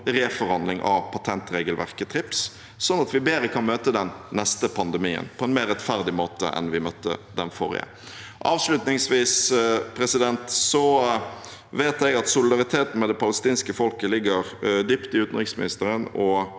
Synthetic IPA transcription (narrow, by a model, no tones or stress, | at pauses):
ʁeːfɔɾɑnd̪lɪŋʔɑʋpʰɑt̪ʰɛnt̪ɾeːɡəlʋæ̰ʁkət̪ʰɾɪps | sɔnːɑt̪ʋɪbeːɾəkʰɑnmøːt̪əd̪ɛnːɛst̪əpʰɑnd̪ɛmiːə̰npʰɔɛnmeːʁːɛt̪fæʁd̪ɪmoːt̪ə̰ʔɛ̰nʋɪmœt̪ːə̰d̪ɛnfɔ̰ɾɪ̰ə̰ | ʔɑːʋʂlʉt̪nɪŋsʋiːspʰɾɛsɪd̪ɛnt̪sɔ | ʋeːt̪ɛɡɑt̪sʊlɪd̪ɑʁɪt̪ʰeːt̪n̩mɛd̪ɛpʰɑləst̪iːnskəfɔlkəlɪɡːəʁd̪ʏpt̪ɪʉːt̪nʁɪksmɪnɪst̪əɾənɔ